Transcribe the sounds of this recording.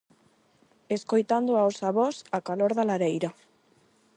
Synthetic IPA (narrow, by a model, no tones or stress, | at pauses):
eskojt̪and̪oawsaβɔsakaloɾðalaɾejɾa